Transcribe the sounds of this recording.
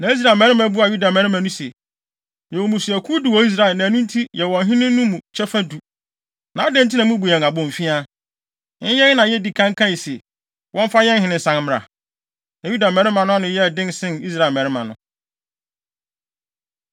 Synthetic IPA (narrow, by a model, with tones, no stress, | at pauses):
nã˨i˦s̬ɾa˨mɛ̃˨ɾɪ̃˦mã˨˦bu˦a˨ju˦da˨mɛ̃˨ɾɪ˦mã˨˦nʊ̃˦se˨ | jɛ˨wo˨mũ˨su˨æ˨kʰu˦dɪ˨wɔ˨˦i˦s̬ɾa˨lnã˨nũ˦n̩˦tʰi˦jɛ˨wɔ̃˨ɦɪ̃˦nɪ̃˦nʊ̃˦mũ˨t͡ɕʰɛ˦fa˦du˨ | nã˨˦a˦dɛ̃˦n˦tʰi˦nã˨˦mũ˦bu˨jɛ˨ŋ˨a˨bɔ̃˨m̩˨fĩ˦a˦ | n̩˦jɛ˦nã˨jɛ˦di˨kʰã˦ŋ˦kʰã˦˨se˨ | wʔɔ̃˦ɱ˦fa˦jɛ̃˦n̩˦ɦɪ̃˨nɪ̃˨sã˦ŋm˦ɾa̰˨ | na˨ju˦da˨mɛ̃˨˦ɾɪ̃˦mã˨nʊ̃˦a˦nʊ̃˨jɛ˦˨dɪ̃˦nsɪ̃˦ni˦s̬ɾa˨lmɛ̃˨ɾɪ˦mã̰˨nʊ̃˨